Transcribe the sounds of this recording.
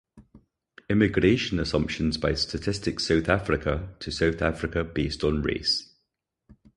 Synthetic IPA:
ɪmɪɡɹeɪʃə̃nəsʌ̃mpʃə̃nzbaɪstʰətʰɪstɪksaʊθafɹɪkʰətʰəsaʊθafɹɪkəb̥iˑstə̃nɹḛɪs

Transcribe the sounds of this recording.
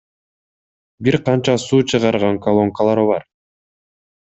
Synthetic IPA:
biɾqɑnt͡ʃɑsuːt͡ʃʰɯʁɑɾʁɑŋkolˠo̞ŋkalˠɑɾβɑɾ

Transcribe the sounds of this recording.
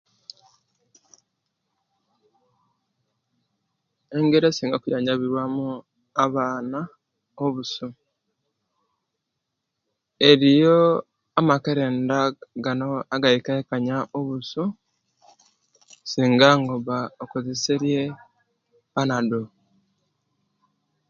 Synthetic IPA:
e̞ŋɡeɾesiːŋɡakujaːɲaβiɾwamu | aβaːna | oβusu | eɾijo | amakeɾeːndaɡanoaɡaikaekaɲaʔoβusu | siːŋɡaŋɡoβaokuziseɾje | βanado

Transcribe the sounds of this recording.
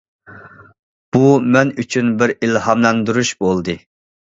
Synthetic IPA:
b̥umɛnyt͡ʃʰynbɪɾilhɑmlˠɑnd̪uɾuʃbolˠd̪ɨ

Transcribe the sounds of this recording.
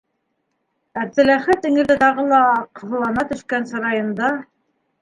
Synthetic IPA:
æβðɘ̆læχɘt̪iŋɘ̆lðɘt̪ɑʁɤlˠɑqɤ̆ðɤ̆lˠɑnɑt̪ɵ̆ʃkænsɤ̆ɾɑjɤ̆nd̪ɑ

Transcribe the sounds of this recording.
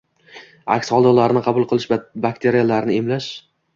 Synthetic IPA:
a̰kʲsχɒlˠd̪ɒlaɾɪnɪqʰɑbʊlˠqʰɨlˠɪʃbak̚ʲt̪ʰe̞ɾijalaɾnɪemlaʃ

